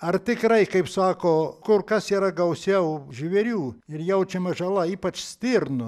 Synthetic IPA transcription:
ɐrt̪ʲɪkrɐɪkɐɪpsɑːkoːkʊrkɐsiːɾɐɡɐʊsʲɛʊʒʲiʋʲɛɾʲuːɪrjɛʊt͡ʃʲɛmɐʒɐlˠɐiːpɐt͡ʃsʲt̪ʲɪrnʊ

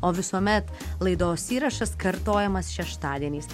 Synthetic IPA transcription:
oːʋʲɪsuɔmʲɛt̪ | lˠɐɪd̪oːsʲiːɾɐʃɐskɐɾt̪oːjɛmɐsʃʲɛʃt̪ɑːd̪ʲiɛnʲiːs

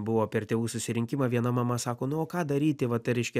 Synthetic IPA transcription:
bʊʋoːpʲɛrt̪ʲeːʋuːsʊsʲɪɾʲɪŋʲkʲɪmɑːʋʲiɛnɐmɐmɐsɑːkoːnʊoːkɑːd̪ɐɾʲiːt̪ʲɪʋɐt̪ɐɪɾʲɛɪʃʲkʲɛ

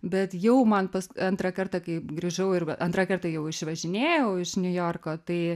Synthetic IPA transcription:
bʲɛt̪jɛʊmɐnpɐskɪɐnt̪ɾɐkɐrt̪ɐkɐɪɡɾʲiːʒɐʊɪrʔɐnt̪ɾɐkɐrt̪ɐjɛʊɪʃʋɐʒʲɪnʲeːjɛʊɪʃnʲʊjoːrkoːt̪ɐɪ

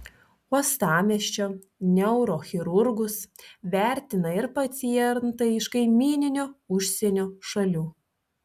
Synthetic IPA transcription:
uɔst̪ɑːmʲɛʃʲt͡ʃʲoː | nʲɛʊɾoːxʲɪɾʊɾɡʊsʋʲæˑɾʲt̪ʲɪnɐɪɾpɐt̪sʲijɛɾnt̪ɐɪɪʃkɐɪmʲiːnʲɪnʲoːʊʃʲsʲɛnʲoːʃɐlʲuː

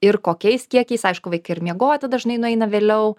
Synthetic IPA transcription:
ɪɾkoːkʲɛɪskʲiɛkʲɛɪsɐɪʃkʊʋɐɪkɐɪɾmʲiɛɡoːjɛt̪ɐd̪ɐʒʲɪnɐɪnʊɛɪnɐʋʲeːlʲɛʊ

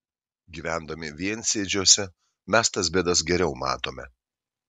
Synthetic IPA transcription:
ɡʲiːʋʲæˑnd̪ɐmʲɪʋʲiɛnʲsʲeːd͡ʒʲuɔsʲɛ | mʲɛst̪ɐs̬bʲɛd̪ɐs̬ɡʲɛɾʲɛʊmɑ̰ːt̪oːmʲɛ

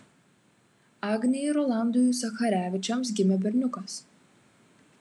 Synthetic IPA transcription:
ɑɡnʲɛiɾɔlˠɑˑnd̪ʊjusɐxɐɾʲæːʋʲɪt͡ʃʲɛms̬ɡʲɪmʲɛbʲɛɾʲnʲʊkɐs

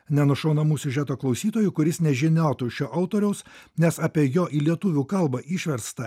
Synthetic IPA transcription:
nʲɛnʊʃɐʊnɐmuːsʲʊʒʲæːt̪oːklˠɒʊsʲiːt̪oːjukʊɾʲɪsnʲɛʒʲɪnʲoːt̪uːʃʲoːʔɐʊt̪oːɾʲɛʊsnʲɛsɑːpʲiɛjoːʔiːlʲiɛt̪ʊʋʲuːkɐlˠbɐʔiʃʲʋʲɛɾst̪ɐ

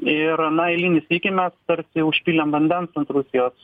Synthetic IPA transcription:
ɪɾɐnɐɛɪlʲiːnʲɪsʲiːkʲɪmʲɛst̪ɐɾʲsʲɪʊʃʲpʲiːlʲɛmʋɐnʲd̪ʲɛnsɐnt̪ɾʊsʲɪjoːs

